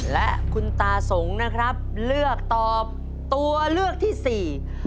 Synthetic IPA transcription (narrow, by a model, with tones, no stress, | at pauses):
lɛ˦˥ʔkʰu˧nt̪aː˧so˩˦ŋna˦˥kʰɾa˦˥p̚lɯ˥˩ək̚t̪ɔː˨˩p̚ | t̪u˧ɐlɯ˥˩ək̚t̪ʰiː˥˩siː˨˩